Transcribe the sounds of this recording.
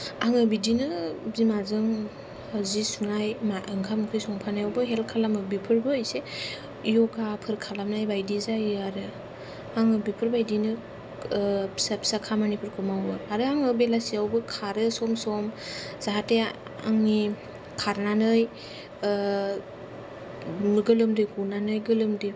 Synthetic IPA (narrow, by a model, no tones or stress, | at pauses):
aŋɯbidinɯzimazɯŋ | hazisunajmaʔɯŋkʰamkʰɯjsɔŋpʰanajawbɯɦelkʰalamɯbipʰɯɾbɯːjse | ijɔkapʰɯɾkʰalamnajbajdizajɯaɾɯ | aŋɯbipʰɯɾbajdinɯ | sapʰsakʰamanipʰɯɾkʰɯmawbɯaɾɯaŋɯbelasiawbɯkʰaɾɯsɔmsɔmz̥aɦate | a̰ŋni | kʰaɾnanɯj | mɯɡɯlɯmdɯjɡunanɯjɡɯlɯmdɯ